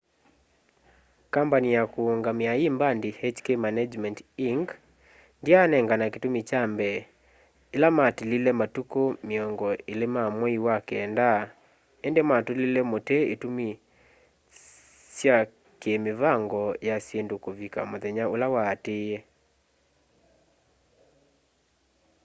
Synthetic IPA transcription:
kampanijakuoŋɡamɪaimbandihet͡ʃkemanad͡ʒmɛntiŋɡ | ndianɛŋɡanaketumit͡ʃambɛ | elamatlilɛmatukomiɔŋɡɔelemamwɛiwakɛːnda | endematolilemoteetumi | sja | kemɪvaŋɡɔjasjendokovika̰mɔðɛɲaolawaːtɪje

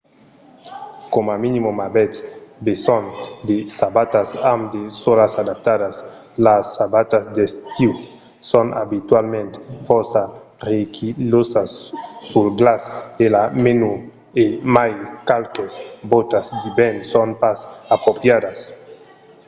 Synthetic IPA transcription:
komaminimomabetsbesɔnd̪esabat̪asamd̪esolasad̪ap̚t̪adas | lasːabat̪asd̪est̪iw | sona̰bit̪walmẽnt̪fosarekʰilosasːulɡlaselamenu | emajkalkesbot̪asd̪ibɛnsonpasapɾopjad̪as

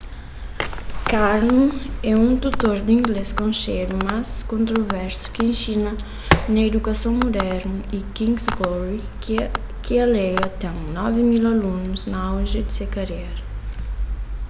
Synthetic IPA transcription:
kaɾnũɛũt̪ut̪oɾd̪ĩŋɡleskõʃeɾumaskõnt̪ɾovɛɾsu̥kiẽnʃinɐ | nɐed̪ukasõw̃mud̪ɛɾnɐikĩŋɡsɡɔɾi | kialejɐt̪ɛ̃ŋnɔvimilalunuznɐawʒid̪isekaɾeɾ

